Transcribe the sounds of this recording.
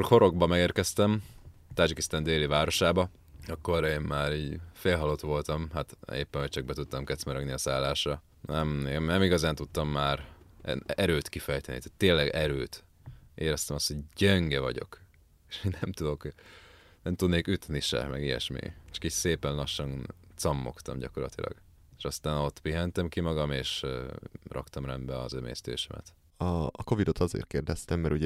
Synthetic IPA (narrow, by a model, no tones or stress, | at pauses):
koho̞ɾo̞ɡbɒmɛɡeːrkɛst̪ɛmt̪ad͡ʒikist̪ɛnd̪eːlivaːɾo̞ʃaːbɒ | ɒkːo̞ɾeːmmaːɾiːɟfeːlɦɒlot̪ʋo̞lt̪ɒmɦat̪ḛːpːɛnɦoc̚t͡ʃɒɡ̚bɛt̪ut̪ːɒmkɛt̪smɛɾɛɡniɒsaːlːaːʃrɒ | nɛmmnɛmiɡɒzaːnt̪ut̪ːɒmːaːɾɛ̰nɛɾøːt̪kifɛjt̪ɛnḭt̪aːt̪ːeːlːɛɡɛɾøːt̪ | ʔeːɾɛst̪ɛmɒst̪ho̞ɟɟɛŋɡɛvɒ̰ɟo̞̰k | eʃminɛmt̪ud̪o̞k | nɛmt̪ud̪neːkyt̪niʃɛ̰mɛɡijɛ̰ʃmḭt͡ʃɒ̥kiːcseːpɛnlɒʃːɒnt̪sɒmːo̞̰kt̪ɒ̰mɟɒko̞rlɒ̰t̪ilɒ̰ɡ̥ | eʃɒst̪aːnot̪ːpiɦɛnt̪ɛmkimɒɡɒmeːʃ | rʔɒkt̪ɒmrɛnd̪bɛɒ̰zømḛːst̪ḛːʃɛmʔɛ̰t̪ | ɒːko̞vid̪o̞t̪ɒzḛːrt̪̚keːrd̪ɛst̪ɛmːɛɾuɟɛ